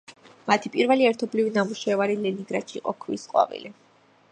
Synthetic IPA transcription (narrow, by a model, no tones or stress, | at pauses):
mat̪ʰipʼiɾvɛliɛɾt̪ʰɔblivinamuʃɛvaɾilɛniŋɡɾaʃiːqʼɔkʰvḭsqʼwa̰vḭli